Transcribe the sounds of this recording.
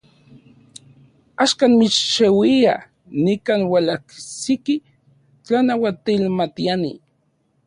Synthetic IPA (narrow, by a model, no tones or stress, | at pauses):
aʃkanmit͡ʃʃewia̰ | nikaːnwalaksiki | t͡ɬanawat̪ilmat̪ianḭ